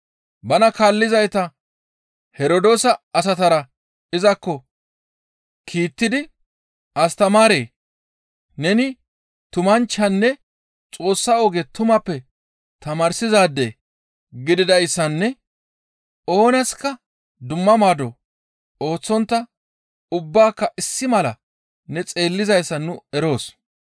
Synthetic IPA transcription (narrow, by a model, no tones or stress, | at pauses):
bɐnɐkaːlːɪzɐjt̪ɐ | hɛɾod̪o̞ːsɐɐs̬ɐt̪ɐɾɐ | ɪzɐkːɔ | kʰiːt̪ːɪd̪ɪ | ʔɐst̪ɐmaːɾeː | nɛnɪ | t̪ʊmɐnt͡ʃːɐnːɛ | t͡sʼo̞ːsːɐoːɡet̪ʊmɐpːɛ | t̪ɐmaːɾsɪzaːd̪ːe | ɡɪd̪ɪd̪ɐjsːɐnːɛ | o̞ːnɐskːɐ | d̪ʊmːɐmaːd̪ɔ | o̞ːt͡sːɔnt̪ːɐ | ʊbːaːkːɐʔɪsːɪmɐlɐ̰ | nɛt͡sʼe̞ːlːɪzɐjsːɐnʊɛɾo̞ːs